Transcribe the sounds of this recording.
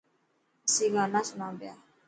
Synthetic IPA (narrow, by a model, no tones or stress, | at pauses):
siŋanasnabea